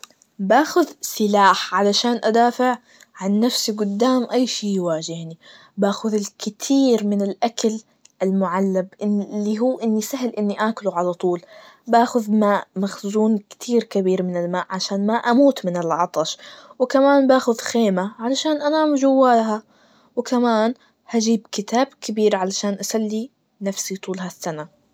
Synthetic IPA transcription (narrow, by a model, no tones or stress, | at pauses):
baːxʊðsɪlaːħʕalaʃaːnʔad̪aːfɪʕ | ʕanːafsiɡʊd̪ːaːmʔajːʃiːjwaːʒɪhni | baːxʊðɪlkɪt̪ʰiːɾmɪnɪlʔakal | ʔalmʊʕalːabʔɪlːiɦuːʔɪnːisaɦɪlʔɪnːiʔaːkʊluʕalat̪ˤuːlbaːxʊðmaːʔmaxzuːnkɪ̥t̪ʰiːɾkɪbiːɾmɪnɪlmaːʔʕaʃaːnmaʔamuːt̪mɪnɪlʕɑt̪ˤɑʃwɪkamaːnbaːxʊðxeːmaʕalaʃaːnʔanaːmʊʒawːaːlɦa | wɪkamaːn | had͡ʒiːbkɪt̪aːbkɪbiːɾʕalaʃaːnʔasalːi | nafsit̪ˤuːlhasːana